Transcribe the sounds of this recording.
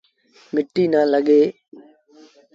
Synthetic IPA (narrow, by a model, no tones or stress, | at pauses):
mɪʈːiːnãːləɠeː